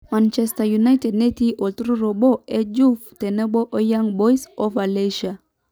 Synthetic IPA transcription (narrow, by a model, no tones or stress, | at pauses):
mãnt͡ʃɛstajunajtɛdnetiʔɔltɾuɾobɔɛd͡ʒuftɛnɛbɔʔɔjaŋbɔjsɔvaleʃa